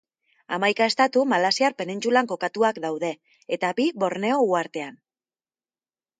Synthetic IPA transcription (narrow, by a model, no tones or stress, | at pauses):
a̰majkae̞st̪at̪umalasiaɾpe̞nint͡sulaŋko̞kat̪uakd̪awðe̞ː | t̪abiβo̞ɾne̞o̞uaɾt̪e̞an